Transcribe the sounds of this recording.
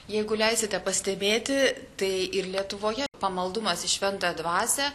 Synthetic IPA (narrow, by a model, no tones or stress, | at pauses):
jɛɪɡʊlʲɛɪsʲɪt̪ʲɛpɐsʲt̪ʲɛbʲeːt̪ʲɪt̪ɐɪɪɾlʲiɛt̪ʊʋoːjɛpɐmɐlˠd̪ʊmɐsɪʃʲʋʲɛnt̪ɐd̪ʋɑːsʲɛ